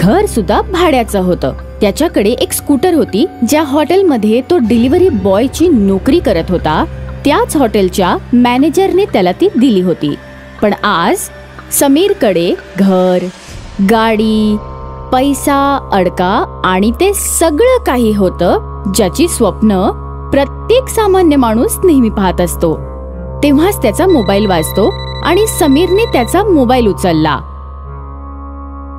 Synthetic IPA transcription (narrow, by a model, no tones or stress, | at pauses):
ɡʱəɾsud̪ʱːabʱaɽjat͡səɦot̪ə̰ː | t̪jat͡ɕjakəɽeʔekskuʈəɾɦot̪iːd͡ʑjaɦɔʈelməd̪ʱːjet̪oɖiliʋəɾiːbɔjt͡ɕiːnokɾiːkəɾət̪ɦot̪at̪jat͡sɦɔʈelt͡ɕjamæned͡ʑəɾnet̪jalat̪iːd̪iliːɦot̪ḭː | pəɳad͡z | səmiːɾkəɽeɡʱəəɾ | ɡaɽiːpəjsaəɽkaːɽ̃it̪esəɡɭəːkaɦiːɦot̪əː | d͡ʑjat͡ɕiːsʋəpnə | pɾət̪jeksamanjəmaɽ̃uːsnəɦmipɦat̪əst̪o | t̪ẽʋ̤ast̪jat͡samobailʋad͡zt̪oa̰ɽ̃isəmiɾneːt̪jat͡samobailut͡səlːa̰